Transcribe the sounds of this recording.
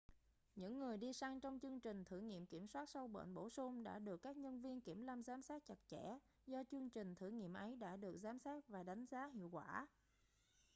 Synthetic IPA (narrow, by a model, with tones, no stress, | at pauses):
ɲɨ̰˧˥ŋːɨ˨˩əjɗi˧sa˧ŋt͡ɕɔ˧wŋ͡mt͡ɕɨ˧əŋt͡ɕï˨˩ŋ̟t̪ʰɨ˧˩ŋḭ˧˨əmki˧˩əmswaː˦˥t̚sa˧wɓə̰ː˧˨nɓo̰˧˩sʊ˧ŋ͡mɗa̰ː˧˥ɗɨ˨˩əkːaː˦˥k̚ɲə˧nvi˧ənki˧˩əmlaː˧mzaː˨˦msaː˦˥t̚t͡ɕa˨˩t̚t͡ɕɛ˧˥ | zɔ˧t͡ɕɨ˧əŋt͡ɕï˨˩ŋ̟t̪ʰɨ̰˧˩ŋḭ˧˨əmʔə˨˦jɗa̰ː˧˥ɗɨ˨˩ək̚zaː˨˦msaː˦˥t̚vaː˨˩ɗa˨˦jŋ̟zaː˨˦ɦḭ˧˨əwkwaː˧˩